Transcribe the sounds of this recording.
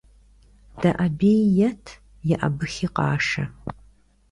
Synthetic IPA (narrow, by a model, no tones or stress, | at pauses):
d̥ɐʔɐbeːjjɐtʰ | jɛʔɐ̰bɨxiːqɑ̰ːʂɐ̰